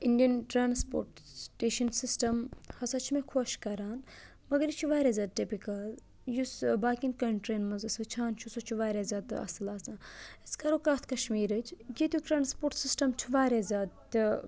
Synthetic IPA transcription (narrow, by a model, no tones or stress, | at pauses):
indijɐnʈɾaːnspo̰ːɾʈʈeːʃɐnsisʈɐmhɐsat͡ʃʰimekʰɐʃkɐɾaːn | mɐɡɐɾit͡ʃʰiʋaːɾʲaːzʲaːd̪̚ʈipikɐl | jusbaːkʲinkɐɳʈɾenmɐzɨsʋɨt͡ʃʰaːnt͡ʃʰusot͡ʃʰuʋaːɾʲaːzʲaːd̪ɨ̰ɐ̰sɨlaːsãːiskɐɾokaːt̪ʰkɐʃmiːɾɨt͡ʃʰɡit̪ʲjuʈɾaːnspoːɾʈsisʈɐmt͡ʃʰuʋaːɾʲazʲaːd̪̚t̪ɨ